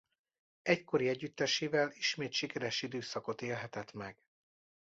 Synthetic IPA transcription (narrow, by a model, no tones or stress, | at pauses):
ɛcko̞ɾiɛɟːyt̪ːɛʃeːvɛliʃmeːt̪ʃikɛɾɛʃid̪øːsɒko̞t̪eːlɦɛt̪ɛt̪mɛɡ̥